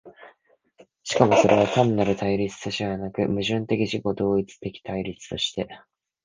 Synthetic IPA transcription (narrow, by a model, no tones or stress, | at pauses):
ɕi̥kamo̞so̞ɾʔe̞β̞at̪ãnːaɾɯ̟t̪aiɾʲit͡sɨ̥t̪oɕieanakɯ̟mɯ̟ʑɨ̃nt̪e̞kʲiʑiko̞d̪o̞ːit͡sɨ̥t̪e̞kʲi̥t̪aiɾʲit͡sɨ̥t̪o̞ɕi̥t̪e̞